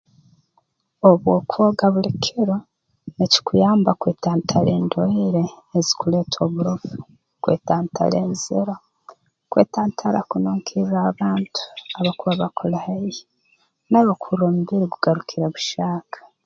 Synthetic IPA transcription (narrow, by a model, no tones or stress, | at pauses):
oβwokuoɡaβulikʰiɾo | neci̥kujaːmbakweːtaːntʰale̞ːndoiɾeː | zi̥kuleːtʰo̞βuɾovu | kwḛtaːntʰa̰lḛːnziɾo | kwḛːtʰaːntʰaɾa̰kunoːŋkʰiraβaːntʰu̥aβakuβaβakʰolahaji | naβokʰuɾomuβiɾiɡuɡaɾukʰiɾeβuʃaːkʰḁ